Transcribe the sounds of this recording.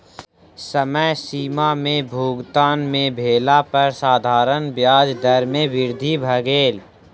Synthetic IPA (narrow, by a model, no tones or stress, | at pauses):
səməjsiːmamẽbʱuːɡt̪aːnmẽbʱeːlapəɾsaːd̪ʱaːɾənbjaːd͡ʒd̪əɾmẽʋɪɾd̪ʱibʱəɡeːl